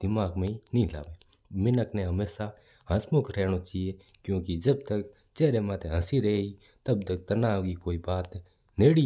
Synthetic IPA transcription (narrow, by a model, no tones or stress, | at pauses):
d̪̥ɪmaːɡmẽːinĩːla̰ːʋeːmɪnəknẽːɦəmeːsa | ɦə̃smʊkɾɛːɽ̃oːt͡ʃːieːkjõːkid͡ʒəb̚t̪ək | t͡ʃɛːɾeːmãːt̪ẽɦəsiɾeeiː | t̪ɐb̚t̪ək̚t̪ɐnaːkiːkoːiːbaːt̪ | neːɽi